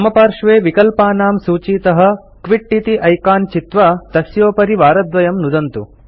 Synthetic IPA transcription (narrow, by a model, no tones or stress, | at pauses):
ɐmɐpaːɾʂʋeːʋikɐlpaːnaːmsuːt͡ʃiːt̪ɐɦɐ̆ | kʋiʈːit̪iʔɐjkaːnt͡ʃit̪ʋɐt̪ɐsjoːpɐɾiʋaːɾɐd̪ʋɐjɐmnud̪ɐnt̪u